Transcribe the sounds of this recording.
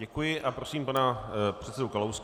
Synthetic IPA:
ɛkujɪʔapɾo̞siːmpanapr̝̥ɛt̪t͡sɛdokalows

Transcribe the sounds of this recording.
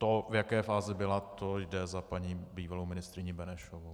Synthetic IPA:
t̪ovjakɛːfaːzɪbɪlat̪ojdɛzapaɲiːbiːvalowmɪnɪst̪ɾɪɲɪbɛnɛʃovow

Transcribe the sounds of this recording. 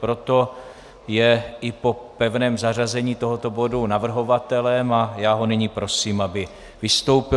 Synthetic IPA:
pɾo̞t̪o̞ | jɛɪpo̞pɛvnɛːmzarazɛɲiːt̪o̞ɦo̞t̪o̞bo̞dunavr̩ɦo̞vat̪ɛlɛmajaːɦo̞nɪɲiːpɾo̞siːmabɪ | vɪst̪o̞wpɪ

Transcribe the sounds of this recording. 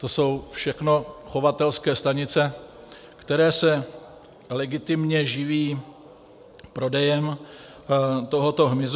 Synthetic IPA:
t̪o̞so̞wfʃɛxno̞xo̞vat̪ɛlskɛːst̪aɲɪt͡sɛ | kt̪ɛɾɛːsɛ | lɛɡɪt̪ɪmɲɛʒɪviː | pɾo̞dɛjɛm | t̪o̞ɦo̞t̪o̞ɦmɪz

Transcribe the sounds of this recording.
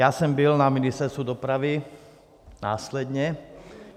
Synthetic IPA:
jasɔmbilnaminist̪ɛɾst̪ud̪ɔpɾaʋi | naːslɛd̪ɲɛ

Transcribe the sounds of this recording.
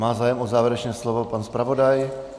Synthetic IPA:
maːzaːjɛmʔozaːvjɛɾɛt͡ʃnɛːslovopanspɾavo̞daj

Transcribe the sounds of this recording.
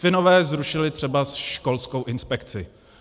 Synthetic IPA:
fɪno̞vɛːzɾuʃɪlɪt̪r̥ɛbasʃko̞lskowʔɪnspɛkt͡sɪ

